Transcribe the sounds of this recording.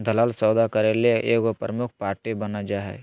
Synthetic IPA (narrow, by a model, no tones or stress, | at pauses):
d̪ʱɐlaːlsɔːd̪akɐɾeleʔeːɡopɾəmʊkʰpaːɾʈibɐnad͡ʒaɦɛ̰